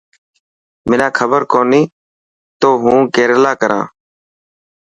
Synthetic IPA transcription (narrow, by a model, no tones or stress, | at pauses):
mɪnãːkʰəbəɾkoːniː | t̪oːɦũːkeːɾlaːkəɾã̰ː